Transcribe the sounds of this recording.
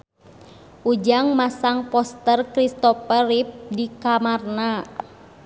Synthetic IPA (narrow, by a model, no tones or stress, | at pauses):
ʔud͡ʒaŋmasaŋpɔst̪ərkɾist̪ɔfəɾip̚dikamarna